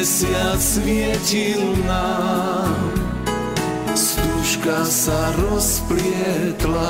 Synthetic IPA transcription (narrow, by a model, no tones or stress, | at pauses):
sɪat͡smɪɛcilna | st̪uːʃkasaɾɔspɾɪɛt̪la